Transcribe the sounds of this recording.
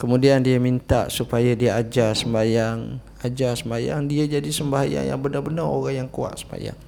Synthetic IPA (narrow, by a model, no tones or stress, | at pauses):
kəmũdiandiəmint̪a̰ʔsupajadiaad͡ʒasəmbajaŋ | ad͡ʒasəmbaja̰ŋdiəd͡ʒadisəmbaɦaja̰ŋja̰ŋbənabənɔo̰ɣaŋjaŋkua̰ʔsəmba̰ja̰ŋ